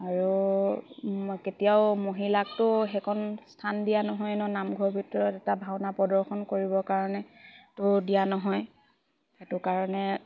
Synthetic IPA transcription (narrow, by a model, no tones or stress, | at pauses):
aɹu | ketijaʊmoɦilak̚tʊxɛkʰɔnstʰandijanɔɦɔjnɔnamɡʱɔbʱitɔɹɔtɛtabʱaʊnapɔdɔɹxɔnkoɹibɔkaɹɔnɛtʊdijanɔɦɔj | xɛtʊkaɹɔnɛ